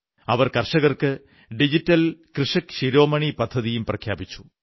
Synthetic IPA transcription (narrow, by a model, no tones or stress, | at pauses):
ɐʋɐrkɐrʂɐɣɐrkɨ | ɖid͡ʑitːɐlkrɨʂɐkɕiɾo̞ːmɐɳipɐd̪ʱːɐðijumprɐkʰjaːbit͡ɕːu̥